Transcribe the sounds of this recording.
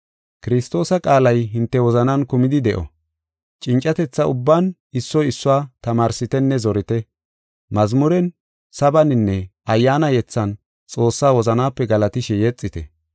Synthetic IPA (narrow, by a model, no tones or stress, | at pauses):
kɪɾɪst̪o̞ːsɐkʼaːlɐjɦɪnt̪ːɛwɔzɐnɐnkʊmɪd̪ɪd̪ɛʔɔ̰ | t͡ʃʼɪnt͡ʃʼːɐt̪ɛt͡sːɐʊbːan | ɪsːɔjɪsːʊwaːt̪ɐmaːɾsɪt̪ɛnːɛzɔɾɪt̪ɛ | mɐzmʊɾɛn | sɐbɐnɪnːɛʔɐjːaːnɐjɛt͡sːɐn | t͡sʼo̞ːsːaːwɔzɐnaːpːɛɡɐlɐt̪ɪʃɛjɛt͡sʼːɪt̪ɛ̰